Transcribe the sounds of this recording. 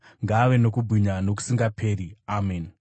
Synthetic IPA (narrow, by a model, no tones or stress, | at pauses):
ŋɡaːʋe̞no̞kubʱiɲano̞k̬u̥siŋɡapʰe̞ːɾiamen